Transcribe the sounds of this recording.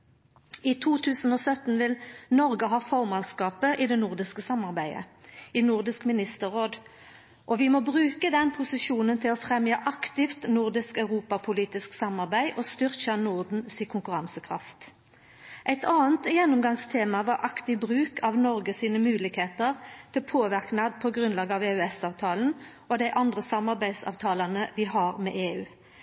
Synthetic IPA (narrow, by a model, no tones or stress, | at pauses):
it̪ʰuːt̪ʰʉːsn̩oːsœt̪n̩ʋɪlnɔʁɡəɦɑːfɔʁmɑnskɑːpəʔɪd̪ɛnʊʁd̪ɪskəsɑmɑʁbæɪə̰inʊʁd̪ɪskmɪnɪst̪əʁoːd̪ | ʔɔʋɪmoːbʁʉːkəd̪ɛnpʰʊsɪʃuːnənt̪ʰɪlɔfʁɛmjəʔɑkt̪ɪft̪nʊʁd̪ɪskœʉʁuːpɑpʰʊliːt̪ɪsksɑmɑʁbæɪʔɔst̪ʏʁçɑnʊʁd̪n̩sɪkʰʊŋkʉʁɑŋsəkʰʁɑ̰ft̪ | ʔæɪt̪ʰɑːənt̪jɛnːʊmɡɑŋst̪ʰeːmɑʋɑɾʔɑkt̪ɪbʁʉːkʰɑʋnɔʁɡəsiːnəmʉːlɪɡheːt̪əʁt̪ʰɪlpʰoːʋæʁknɑd̪pʰɔɡʁʉnlɑːɡɑʋeːʉɛsɑːʋt̪ʰɑːln̩ | ɔd̪æɪʔɑnd̪ʁəsɑmɑʁbæɪd̪sɑ̰ːʋt̪ʰɑːlɑnəʋɪɦɑʁmɛ̰ːʔeːʉː